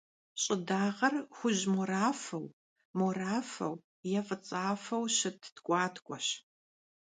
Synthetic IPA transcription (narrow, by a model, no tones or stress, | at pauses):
ɕʼɪdaːʁɐrxʷʊʑmoɾaːfɐw | moraːfɐ̰w | jɛfʼɨt͡sʼaːfɐwɕɪtʰtkʷʼɑːtʰkʷʼɔɕ